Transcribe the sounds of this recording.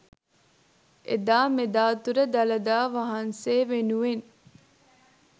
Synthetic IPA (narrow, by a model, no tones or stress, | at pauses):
ʔḛd̪aːmed̪aːt̪uɾəd̪ɐlɐd̪aːʋaɦɐnseːʋenuʋen